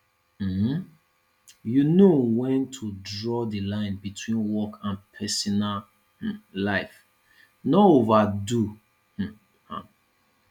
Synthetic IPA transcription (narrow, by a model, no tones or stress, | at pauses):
m̩h̩ | junowɛ̃ntʰudɹɔdəlãɪ̃nbitʰwĩnwɔkʰãnpʰɛsɔnal | h̩laɪf | noovadu | h̩ | hã̰